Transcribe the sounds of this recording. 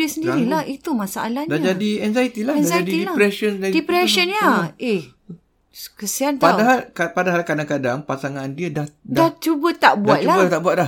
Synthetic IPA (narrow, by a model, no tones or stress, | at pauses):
əsəndiɾilahit̪umãsaʔa̰lahɲdaad͡ʒadiɛnzajt̪ilaɛnzaadiiilapɾɛsənadipɾɛsənɲaeh | kəsiant̪aaɦalkapadaɦalkadaŋkadaŋpasaŋandiədahdaat͡ʃubət̪aʔbuat̪̚t͡ʃulabət̪aʔbuat̪̚la